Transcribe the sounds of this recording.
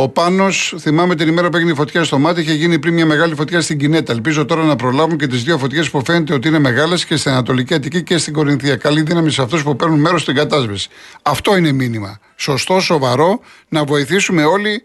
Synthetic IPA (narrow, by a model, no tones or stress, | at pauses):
o̞pɐno̞sθimɐmeot̪inime̞ɾɐpueʝineifo̞t̪çɐst̪o̞mɐt̪iiçe̞ʝinipɾinmɲɐme̞ɣɐlifo̞t̪çɐst̪iɲɟine̞t̪ɐelpizo̞t̪o̞ɾɐnɐpɾolɐvuɲce̞t̪̬izðio̞fo̞t̪çe̞spufe̞ne̞t̪e̞o̞t̪iine̞me̞ɣɐle̞sce̞st̪inɐnɐt̪o̞liciɐt̪icice̞st̪iŋɡo̞ɾinθiɐkɐliðinɐmiseɐft̪uspupe̞ɾnunme̞ɾo̞st̪iŋɡɐt̪ɐzvisi̥ɐft̪o̞ine̞minimɐ̰ | so̞st̪o̞so̞vɐɾo̞ | nɐvo̞iθisume̞o̞li